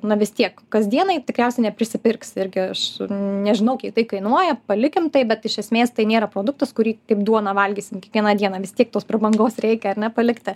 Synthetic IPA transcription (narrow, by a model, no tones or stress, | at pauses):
nɐʋʲɪst̪ʲiɛkkɐzʲd̪ʲiɛnɐɪt̪ʲɪkɾʲɛʊsʲɛɪnʲɛpʲɾʲɪsʲɪpʲɪrksɪɾʲɡʲɪɐʃnʲɛʒʲɪnɐʊkʲɛɪkt̪ɐɪkɐɪnuɔjɛpɐlʲɪkʲɪmt̪ɐɪpbʲɛt̪ɪʃʲɛsʲmʲeːst̪ɐɪnʲeːɾɐpɾoːd̪ʊkt̪ɐskʊɾʲiːkɐɪpd̪uɔnɑʋɐlʲɡʲiːsʲɪmkʲiɛkʋʲiɛnɑːd̪ʲiɛnɑːʋʲɪst̪ʲiɛk̚t̪oːsprɐbɐŋɡoːsɾʲɛɪkʲɛɐɾʲnʲɛpɐlʲɪkt̪ʲɪ